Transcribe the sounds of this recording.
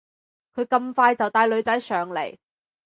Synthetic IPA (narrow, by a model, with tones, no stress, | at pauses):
kʰɵ˨˧ɥkɐ˧mfaː˧jt͡sɐ˨wt̪aː˧jlɵ˨˧ɥt͡sɐ˨˥jsœː˨ŋle˨˩j